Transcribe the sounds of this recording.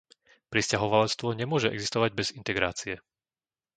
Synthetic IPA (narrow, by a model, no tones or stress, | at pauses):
pɾiscaɦɔʋalɛt͡st̪ʋɔɲɛmʊɔʒɛɛ̰ɡzist̪ɔʋaɟ̚bɛzint̪ɛɡɾaːt͡siɛ